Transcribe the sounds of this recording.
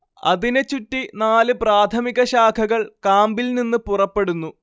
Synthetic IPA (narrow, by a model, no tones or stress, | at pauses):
ɐ̰ðinet͡ɕutːinaːlɨpraːt̪ʰɐmiɣɐɕaːkʰɐɣɐɭkaːmbilninːɨpurɐpːe̞ɽunːu